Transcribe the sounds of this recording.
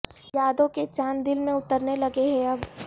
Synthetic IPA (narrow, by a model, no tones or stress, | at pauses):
jaːd̪õket͡ʃaːnd̪ɪlmẽʊt̪əɾnelɐɡeɦɛ̃ɐb